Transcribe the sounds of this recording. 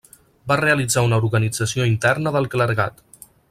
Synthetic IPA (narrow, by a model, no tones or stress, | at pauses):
bareəlid͡zaunəuɾɣənid͡zəsioint̪ɛrnəðəlˠkləɾɣa̰t̪